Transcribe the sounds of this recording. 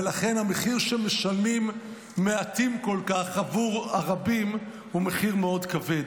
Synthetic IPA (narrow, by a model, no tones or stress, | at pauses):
laχe̞nhameχiʁʃeme̞ʃalimː | eat̪imko̞lkaχavuʁaʁabim | ume̞χiʁmeo̞d̪kaved